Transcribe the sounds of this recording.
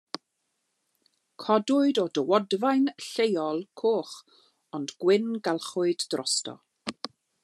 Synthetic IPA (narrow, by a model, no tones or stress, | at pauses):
kʰɔdʊɨdɔdəwɔdvajnɬejɔlˠkʰoːχ | ɔndɡ̥wɪnɡalˠχʊɨdːrɔ̰stɔ̰